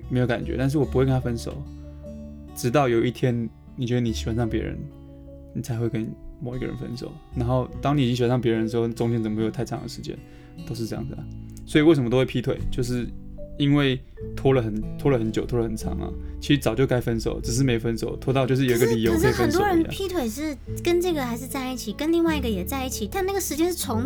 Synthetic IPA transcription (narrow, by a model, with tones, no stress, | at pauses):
me˧˥ɪjo˧˥ka˨˩nt͡ɕɥɛ̰˧˦t̪a˥˧nʂ̬̩˥˩wɔ˨˩pu˥xwe˥˩kə˥nʰa˥fə˥nʂo̰˨˩˦ʊ | ʈ͡ʂɻ̩˧˥t̪ɑ˥˩ʊjo˨˩ʊi˥˩t̪ʰjɛ˥n | ni˨˩t͡ɕwɛ˧d̪ə˧ni˨˩ɕi̥˨˩wa˧˥nʂ̬ɑ˥˩ŋpjɛ˧˥ɻə̰˧˦n | ni˨˩t͡sʰa˧ɪxwe˥˩ɪkə˦˥nmo˨˩ʊi˧˥ɡə˧ɻə̰˧˦nfə̰˦˥nʂo̰˨˩˦ʊna˧˥nxo˥˩ʊt̪ɑ˥ŋi˨˩˨i˧˥ŋɕnsɑ˥˩ŋp̬jɻə˧˦ndə˩ʂ̬̩˧˥xo˥˧˨t͡sʊ˥ŋt͡ɕʰjɛ˥nt͡sə˨˩m˦˧˩o˨˩t̪ʰɑ̰˧˥ŋd̪ə˩ʂɻ̩˧t͡ɕjɛ̰˥n | t̪o˥ʊʂ̬̩˥˧ɤ˥jɑ̰˥˩ŋd͡z̩˩ə˩swɔ˧˥i˨we˥˩ʂə˧˥mə˧o˥we˥˩pʰi˥t̪ʰwe˨˩ɪt͡ɕjo˥˧ʊʂ̬ɻ̩˥˩i˦nwe˥˩ɪ | t̪ʰwɔ˥lə˨xə˨˩nt̪ʰwɔ˥lə˨xə˧˥nt͡ɕjo˨˩ʊt̪ʰwɔ˥lə˨xə˨˩nʰɑ̰˧˥ŋɐ̰˧t͡ɕʰi˧˥ʂɻ̩˧˥t͡sɑ˨˩t͡ɕjo˥˩ʊka˥ɪfə˥nʂo̰˨˦ʊʈ͡ʂɻ̩˨˩ʂ̬ɻ̩˥˩me˧˥ɪo˨˩fə˥nso˨˩ʊt̪ʰwɔ˥t̪ɑ˥˧ʊt͡ɕjʊʂɻ̩˥jo˨i˦ɡə˥˧li˨˩jo˧˥ʊ˨k̩ː˧˥˧fə˨˩nst̪owɔ˥ɻə˧˦n̰pʰi˦˥t̪ʰwe˨˩ɪʂɻ̩˥˩kə˥nʈ͡ʂɤ˥˩ɡə˨˩xa˧˥ɪʂ̬ɻ̩˥˧t͡sa˥˧ɪi˥˩t͡ɕʰi˨˩kə˥nli˥˧ŋwa˥˩ɪi˧˥ɡə˧jɛ˨˩t͡sa˥˧ɪi˥˩t͡ɕʰi˨˩t̪a˥˧na˥˩ɡə˩ʂɻ̩˧˥t͡ɕjɛ˥nʂɻ̩˥˩ʈ͡ʂʰʊ˧˥ŋ